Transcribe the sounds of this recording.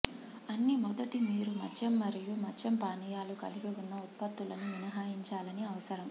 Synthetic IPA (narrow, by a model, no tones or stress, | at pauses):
ɐnːimɔd̪ɐʈimiːɾumɐ̰d͡ʒɐmːɐɾijumɐd͡ʒɐmpaːnijaːlukɐliɡiunːɐut̪̚pɐt̪ːulɐnuʋinɐɦaːjiɲt͡ʃaːlɐniɐʋɐsɐɾɐm